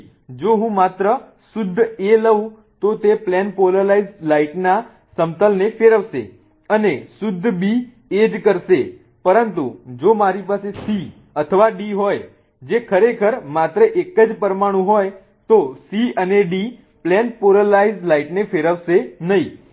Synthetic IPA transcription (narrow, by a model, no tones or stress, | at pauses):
d͡ʒoɦũmat̪ɾə | sʊd̪ʱːeləũ | t̪ot̪eplɛnpoləlaizlaiʈna | səmt̪əlnefeɾəʋʃḛ | ənesʊd̪ʱːbi | ed͡ʒkəɾʃe | pəɾənt̪ṵd͡ʒomaɾipasesi | ət̪ʰəʋaɖiɦoj | d͡ʒekʰəɾekʰəɾmat̪ɾəʔekːəd͡ʒpəɾmaɽ̃ũɦoj | t̪osiəneɖi | plɛnpoɾəlaizlaiʈnefeɾəʋʃenəɦĩ